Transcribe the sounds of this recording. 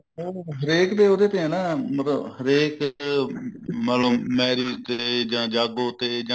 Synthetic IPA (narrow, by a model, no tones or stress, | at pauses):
oːɦəɾeːkd̪eːoːd̪eːt̪ẽɛ̃ːnãːmət̪ləbhəɾeːk | mənloːmɛːɾiːt̪eːd͡ʒãːd͡ʒaːɡoːt̪eːd͡ʒã